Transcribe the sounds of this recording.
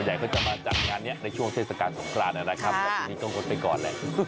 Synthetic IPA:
nja˨˩jkʰɔː˦˥˩t͡ɕa˨˩maː˧t͡ɕa̰˨˩t̪̚ŋaː˧nːi˦˥ɐʔna˧jt͡ɕʰu˥˩əŋt̪ʰeː˥˩t̪̚sa˨˩kaː˧nso˩˦mkʰɾaː˧nːʔa˧˩na˦˥kʰa˦˥p̚la˧˥˧ni˧t̪ɔ˥˩ŋo˦˧˩npa˧jkɔ̰ː˨˩nlɛ̰˨˩ʔ

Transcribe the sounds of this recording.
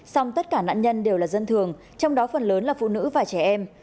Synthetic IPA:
sɔ˧wŋ͡mt̪ə˦˥t̚kaː˧˩na̰ː˧˨nɲə˧nɗe˨˩wlaː˨˩zə˧nt̪ʰɨ˨˩əŋ | t͡ɕɔ˧wŋ͡mɗɔ˨˦fə˨˩nləː˨˦nlaː˨˩fṵ˧˨nɨ̰˧˥vaː˨˩t͡ɕɛ˧˩ʔɛ˧m

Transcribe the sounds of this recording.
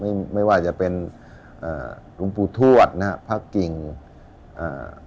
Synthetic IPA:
ma˥˩jma˥˩jwaː˥˩t͡ɕa˨˩pe˧n | ʔaː˨˩ | ɾu˧ŋpuː˧t̪ʰu˥˩ət̪̚na˦˥ka˦˥pʰa˥˩kːi˨˩ŋ | ʔa̰ː˨˩

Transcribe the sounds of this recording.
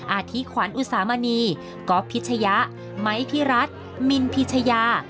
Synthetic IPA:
ʔaː˧˩t̪ʰi˦˥kʰwaː˨˩˦nʔu˧saː˩˦ma˧niː˧ | kɔː˦˥pʰːi˦˥t̪̚t͡ɕʰa˧ja˦˥ʔ | ma˦˥jpʰi˦˥ɾa˦˥t̪̚ | mi˧npʰi˦˥t̪̚t͡ɕʰa˧jaː˧

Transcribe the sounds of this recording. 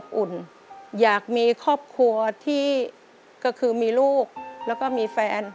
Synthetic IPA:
ʔu˨˩n | jaː˨˩k̚miː˧kʰɔː˥˩p̚kʰu˧ɐt̪ʰiː˥˩ | kɔː˥˩kʰɯː˧miː˧luː˥˩k̚lɛː˦˥wkɔː˥˩miː˧fɛː˧n

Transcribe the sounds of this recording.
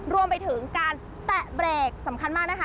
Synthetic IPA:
ɾu˧əmpa˧jt̪ʰɯ˩˦ŋkaː˧n | t̪ɛ˨˩ʔbɾeː˨˩k̚sa˩˦mkʰa˧nmaː˥˩k̚na˦˥kʰa˦˥

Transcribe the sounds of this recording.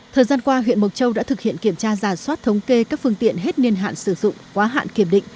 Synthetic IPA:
t̪ʰəː˨˩jzaː˧nkwaː˧ɦwḭ˧˨ənmo˨˩t̚t͡ɕə˧wɗa̰ː˧˥t̪ʰɨ˨˩k̚hḭ˧˨ənki˧˩əmt͡ɕaː˧zaː˧˩swaː˦˥t̚t̪ʰə˨˦wŋ͡mke˧kaː˦˥k̚fɨ˧əŋt̪ḭ˧˨ənɦe˦˥t̚ni˧ənɦa̰ː˧˨nsɨ˧˩zʊ̰˧˨ŋ͡mkwaː˨˦ɦa̰ː˧˨nki˧˩əmɗḭ̈˧˨ŋ̟

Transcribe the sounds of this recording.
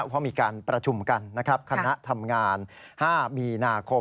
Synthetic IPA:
pʰɔ˦˥miː˧kaː˧npɾa˧t͡ɕʰu˧mka˧nːa˦˥kʰɾa˦˥p̚kʰa˧na˦˥ʔt̪ʰa˧mŋaː˧nhaː˥˩miː˧naː˧kʰo˧

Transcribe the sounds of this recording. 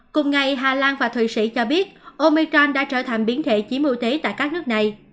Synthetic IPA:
kʊ˨˩ŋ͡mŋa˨˩jɦaː˨˩laː˧nvaː˨˩t̪ʰwi˨˩sḭ˧˥t͡ɕɔ˧ɓi˦˥ət̚ʔo˧mi˧kɔ˧nɗa̰ː˧˥t͡ɕəː˧˩t̪ʰa˨˩jŋ̟ɓi˨˦ənt̪ʰḛ˧˨t͡ɕi˨˦əmṵ˧t̪e˨˦t̪a̰ː˧˨jkaː˦˥k̚nɨ˦˥ək̚na˨˩j

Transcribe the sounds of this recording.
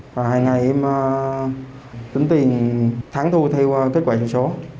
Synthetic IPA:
va˨˩haː˧˩jŋa˨˩jʔɛ˧məː˨˧ | t͡ɕ̪i˨˦ŋt̪i˨˩ənt̪ʰaː˨˦ŋt̪ʰu˧t̪ʰɛ˧wke˦˥t̚kwaː˧˩i˧˩wso˨˦

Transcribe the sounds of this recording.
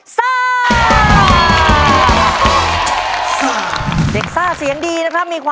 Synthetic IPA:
saː˥˩˧ | de˨˩k̚saː˥˩si˩˦əŋdiː˧na˦˥kʰɾa˦˥p̚miː˧kʰwaː˧

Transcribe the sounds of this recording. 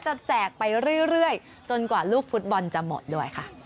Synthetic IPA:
t͡ɕa˨˩t͡ɕɛː˨˩k̚pa˧jɾɯ˥˩ɾɯ˥˩əj | t͡ɕo˧nkwaː˨˩luː˥˩k̚fu˦˥t̪̚bɔ˧nt͡ɕa˨˩mo̰˨˩t̪̚duː˥˩əjkʰa˥˩ʔ

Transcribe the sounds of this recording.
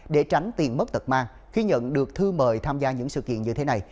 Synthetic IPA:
ɗe˧˩t͡ɕa˨˦jŋ̟t̪i˨˩ənmə˦˥t̚t̪ə˨˩t̚maː˧ŋ | xi˧ɲə̰˧˨nɗɨ˨˩ək̚t̪ʰɨ˧məː˨˩jt̪ʰaː˧mzaː˧ɲɨ̰˧˥ŋsɨ̰˧˨kḭ˧˨ənɲɨ˧t̪ʰe˨˦na˨˩j

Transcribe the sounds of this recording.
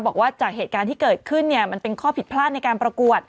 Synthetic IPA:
bɔː˨˩k̚waː˥˩t͡ɕaː˨˩k̚ɦeː˨˩t̪̚kaː˧nt̪ʰiː˥˩kɤː˨˩t̪̚kʰɯ˥˩nːi˥˩əma˧npe˧nkʰɔː˥˩pʰi˨˩t̪̚pʰlaː˥˩t̪̚na˧jkaː˧npɾa˧ku˨˩ət̪̚

